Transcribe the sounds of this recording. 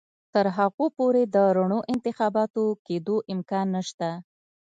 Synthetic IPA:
t̪əɾɦaɣopoɾed̪əɾaɳoʔɪnt̪ɪxɑbɑt̪oked̪oʔɪmkɑnːəʃt̪a

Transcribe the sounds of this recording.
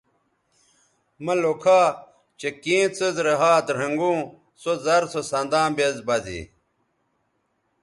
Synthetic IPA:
mɐlokʰaː | t͡ɕekĩːt͡səzɾɐɦaːt̪ɾɐŋɡũː | sozɐɾsosɐnd̪ãːbezbɐzḭ

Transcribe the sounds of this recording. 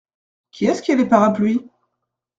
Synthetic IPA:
kʲʰiɛskʲialepaʁaplɥi

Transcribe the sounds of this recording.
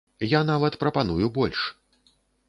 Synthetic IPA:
janavɐt̪pɾɐpanujubɔlʲʂ

